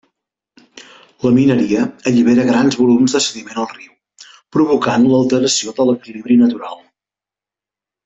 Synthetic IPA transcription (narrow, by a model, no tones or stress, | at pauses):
ləminəɾiəəʎiβ̞eɾəɣɾanzβulumzðəsəðimenəlˠriw | pɾuβ̞ukanləlˠt̪əɾəsioðələkiliβɾinət̪uɾa̰lˠ